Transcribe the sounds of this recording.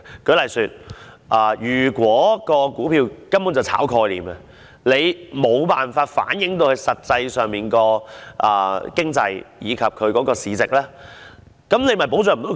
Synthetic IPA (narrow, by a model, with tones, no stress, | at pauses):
kɵ˨˥lɐ˨jsyː˧t̚ | ʔɐː˨˩jyː˨˩kwɔː˨˥kɔː˧kuː˨˥pʰiː˧wkɐ˥mpuː˨˥nt͡swt͡sʰa̰ː˨˥wkʰɔː˧jliː˨˩mɐ˨ | le˨˧jmo˨˧wpaː˨nfaː˧t̚fa̰ː˨˥njɪ˨˥ŋt̪̬o˧whɐ˨˥jsɐ˨t̚t͡sɐ˧jsœː˨ŋmiː˨˩nkɔː˧ʔɐ̰ː˨˩kɪ˥ŋt͡sɐ˧jjiː˨˧kʰɐ˨p̚kʰɵ˨˧ɥkɔː˨˥kɔː˧siː˨˧t͡sɪ˨k̚lɛː˥ | kɐ˨˦˥mne˨˧jmɐ˨jpo˨˥wt͡sœː˨ŋm̩˨˩t̪o˨˥